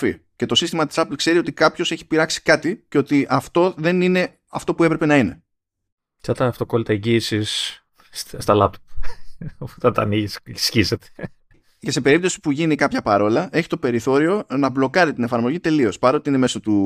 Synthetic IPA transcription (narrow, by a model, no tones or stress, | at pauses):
fḭce̞t̪o̞sist̪imɐt̪i̥sɐplkse̞ɾio̞t̪ikɐpço̞se̞çi̥piɾɐksi̥kɐt̪ice̞o̞t̪iʔɐft̪o̞ðe̞nine̞ | ɐft̪o̞pue̞pɾe̞pe̞nɐine̞ | t͡ʃɐt̪ɐːft̪o̞ko̞lit̪ɐeɲɟiːsis | st̪ɐlɐp̚t̪op | t̪ɐnt̪ɐ̰niʝissçiset̪e̥ | ce̞sepe̞ɾip̚t̪o̞si̥puʝinikɐpçɐpɐɾo̞lɐʔe̞çi̥t̪ope̞ɾiθo̞ɾio̞nɐblo̞kɐɾit̪ine̞fɐɾmo̞ʝit̪e̞lio̞spɐɾot̪iine̞mesot̪u